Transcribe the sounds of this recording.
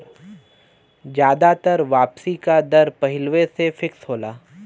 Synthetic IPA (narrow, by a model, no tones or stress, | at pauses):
d͡ʒjaːd̪at̪əɾʋaːpsikad̪ɐɾpɐɦɪlʋesefɪksɦoːlaː